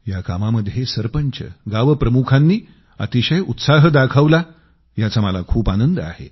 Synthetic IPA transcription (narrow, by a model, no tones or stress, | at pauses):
jakamaməd̪ʱːjesəɾpəɲt͡ɕə̰ɡaʋəpɾəmukʰanːiː | a̰t̪iɕəjut̪saɦəd̪akʰəʋla | jat͡saməlakʰuːpanənd̪əa̰hḛ